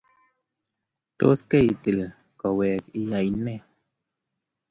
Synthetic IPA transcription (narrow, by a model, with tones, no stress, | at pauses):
t̪o̰˦ske˦i˨t̪i˨l | kɔ˨wɛː˨ki˨ja˨jnɛ˦